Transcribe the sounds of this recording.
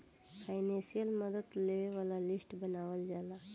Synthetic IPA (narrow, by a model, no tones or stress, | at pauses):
pʰajnẽsijəlməd̪əd̪leʋeʋalalisʈbənaʋəld͡ʒala